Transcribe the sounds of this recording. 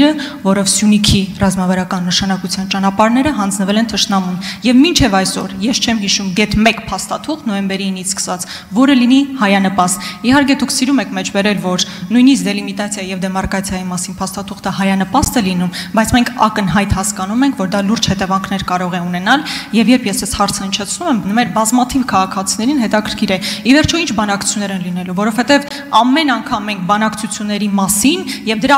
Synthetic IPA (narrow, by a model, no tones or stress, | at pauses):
ɾəvɔɾɔvsjunikʰirɑzmɑvɑɾɑkɑnːəʃɑnɑkut͡sʰjɑnt͡ʃɑnɑpɑɾnɛɾəɦɑnd͡znəvɛlɛnt̪ʰəʃnɑmunjɛvmint͡ʃʰɛvɑjsɔ̰ɾjɛst͡ʃʰɛmɦiʃumɡɛt̪mɛkpʰɑst̪ɑt̪ʰuχt̪nɔjɛmbɛɾiːnːiskə̥svɑt͡s | vɔɾəlinihɑjɑnəpɑst̪ihɑɾk̬ɛd̪ukʰsiɾumɛkʰmɛt͡ʃʰbɛɾɛlvɔɾnujnisk̚d̪ɛlimit̪ɑt͡sʰjɑjijɛvd̪ɛmɑrkɑt͡sʰjɑjimɑsinpʰɑst̪ɑt̪ʰuχt̪əhɑjɑnəpɑst̪ɛlinumbɑjt͡sʰmɛŋkʰɑ̰kənɦɑjt̪hɑskɑnumɛŋkʰvɔɾd̪ɑluɾd͡ʒhɛt̪ɛvɑŋkʰn̪ɛɾkɑɾɔʁɛunɛnɑljɛvjɛɾpʰjɛsɛshɑɾt͡sʰəhənt͡ʃʰɛt͡sʰnumɛmnəmɛɾbɑzmɑt̪ʰivkʰɑʁɑkʰɑt͡sʰinɛɾinɦɛt̪ɑkʰəɾkʰiɾɛivɛɾt͡ʃʰuint͡ʃʰbɑnɑkʰu̥t͡sʰjunːɛɾɛnlin̪ɛluvɔɾɔvhɛt̪ɛv | ɑmːɛnɑŋkʰɑmːɛŋk̚ʰbɑnɑkʰt͡sʰut͡sʰjunːɛɾimɑsinjɛvd̪əɾɑ